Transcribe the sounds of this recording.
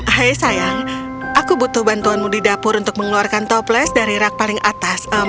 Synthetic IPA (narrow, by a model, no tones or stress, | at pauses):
hajsajaŋ | ʔakubut̪ʊhbant̪uanmudidapʊɾunt̪ʊk̚məŋluarkant̪ɔplɛsdaɾiɾak̚palɪŋʔat̪asə